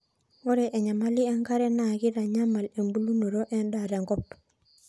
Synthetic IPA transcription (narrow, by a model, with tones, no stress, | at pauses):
o˦ɾe˨ʔe˨ɲa˨ma˦li˦ɛ˦ŋɡa˦ɾɛ˦na˨ɡi˦ɾa˨ɲa˦ma˨le˨mbu˦lu˦no˨ɾo˦ʔɛ˦nda˨ɾe˨ŋɡɔ˦p